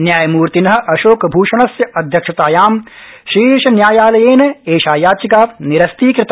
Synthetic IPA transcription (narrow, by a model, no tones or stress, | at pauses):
njaːjɐmuːɾt̪inɐɦɐ̆ʔɐʃoːkbʱuːʃɐɳ̃ɐsjɐɐd̪ʱjɐkʂɐt̪aːjaːm | ʃiːʃɐnjaːjaːlɐjeːnɐeːʃaːjaːt͡ʃikaːniɾɐst̪iːkɾɪt̪ː